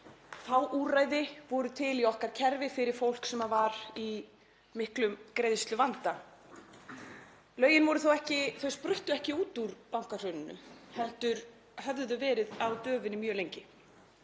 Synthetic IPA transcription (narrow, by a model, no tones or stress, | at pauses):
θawʔuːrajðɪvɔɾʏt̪ʰɪliɔhkaɾ̥cʰɛɾvɪfɪɾɪɾ̥fowl̥ksɛmːavaɾi | mɪhklʏmkɾejðst̪lʏvant̪a | lœːɥjɪnvɔɾʏθowɛhcɪθowspɾʏht̪ʏɛhcɪuːt̪uɾpawŋ̥kar̥œɥnɪnːʏ̰hɛn̥t̪ʏɾ̥ | hɛvððʏvɛːɾɪðawt̪œːvʏnimjœːlejɲcɪ